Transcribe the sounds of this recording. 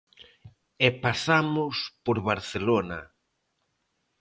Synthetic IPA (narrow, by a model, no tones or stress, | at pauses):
epasamʊspoɾβaɾθelona